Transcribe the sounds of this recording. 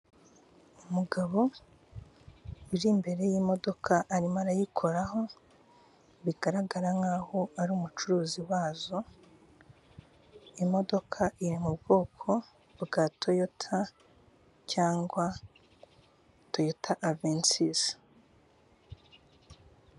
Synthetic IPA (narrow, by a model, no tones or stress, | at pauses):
umuɡaβo̞ | iɾimbe̞ɾe̞jimo̞do̞kʰaʔaɾimaɾajikʰo̞ɾaɦo̞ | βiɡaɾaɡaɾaŋaːho̞aɾuːmut͡ʃuɾuːziwaːzo̞ | imo̞do̞kʰaʔiɾimubɡo̞ːkʰo̞ | βbɡatʰo̞jotʰa | caːŋɡwa | to̞jotʰaʔavensis